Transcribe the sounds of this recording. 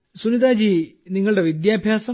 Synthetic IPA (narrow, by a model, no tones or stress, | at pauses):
suniðaːd͡ʑiniŋːɐɭuɽe̞ʋid̪jaːbʱjaːsɐ